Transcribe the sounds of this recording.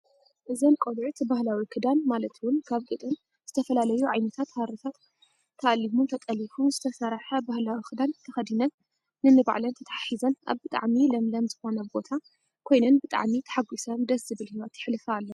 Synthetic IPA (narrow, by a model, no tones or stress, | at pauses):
ʔɨzɐnkʼolʕut̪bahlawikʰɨd̪anmalɐt̪wʊnkʰaβɡʼɨt̪ʼɨn | z̥ɨt̪ʰɐfɐlalɐjuʕajnɐt̪ʰat̪haɾit̪ʰat̪ | kʰːɐʔalimut̪ʰɐt̪ʼɐlifumzɨt̪ʰɐsɐɾħɐbahlawikʰɨd̪ant̪ʰɐxɐd̪inɐnː | ɨnɨba̰ʕlɐnt̪ʰɐt̪ʰḁħaħizɐnʔa̰βbɨt̪ʼa̰ʕmilɐmlɐmzɨxo̞nɐbo̞t̪ʰa | kʰo̞jnɐnbɨt̪ʼa̰ʕmit̪ʰɐ̥ħaɡusɐnd̪ɐszɨβɨlhiwat̪jɪħlɨfɐaːlːɐ